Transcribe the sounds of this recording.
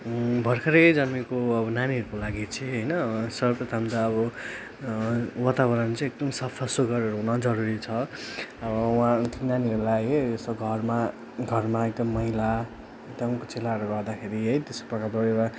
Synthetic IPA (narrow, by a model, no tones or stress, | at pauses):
bʱʌrkʰʌɾed͡zʌmikoʌbʌnaniɦʌɾukolaɡit͡sʰeɦʌjnʌsʌprʌt̪ʰamd̪aʌbʌ | wat̪abʌɾʌnt͡sʌ̃ek̚d̪ʌmsʌpʰʌsoɡʌɾʌɾuɦunʌd͡zʌɾuɾit͡sʰʌʌbʌwãt̪ʰinaniɦʌɾulajɦesoɡʱʌrma | ɡʱʌrmaek̚d̪ʌmːʌɦila | ekd̪ʌmkot͡selaʌɾuɡʌd̪akʰeɾiɦʌjt̪esko̥prʌkarbʌɽeɾa